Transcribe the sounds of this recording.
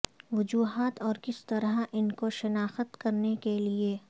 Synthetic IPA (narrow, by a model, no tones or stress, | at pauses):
ʋʊd͡ʒuːɦaːt̪ɔːɾkɪst̪ɐɾaʔɪnkoʃɐnaːxət̪kɐɾnekelie